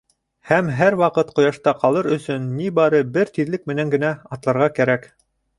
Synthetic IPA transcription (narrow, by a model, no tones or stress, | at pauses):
hæmɦæɾwɑqɤt̪qŏjɑʃt̪ɑqɑlˠɤɾɵ̆sɵnːibɑɾɤbɘɾt̪iðlɘk̚mɘ̆næŋɡɘ̆næɑt̪lˠɑɾʁɑkæɾæk